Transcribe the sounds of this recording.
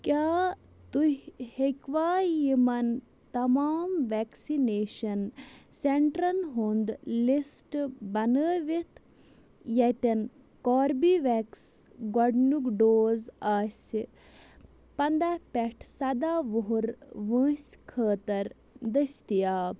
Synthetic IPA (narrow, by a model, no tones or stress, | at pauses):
kʲjaː | t̪uhhekʋaːjimɐn | t̪ɐmaːmʋɛksineːʃɐnseɳʈɾɐnɦoːnd̪lisʈbɐnəːʋit̪ʰ | jɐt̪ɐn | koːɾbiʋɛks | ɡɔɖnukɖoːzaːsʲi | pɐnd̪apeʈʰsɐd̪aːʋuɦuɾʋə̃ːsʲkʰəːt̪ɐɾ | d̪ɐsʲt̪ijaː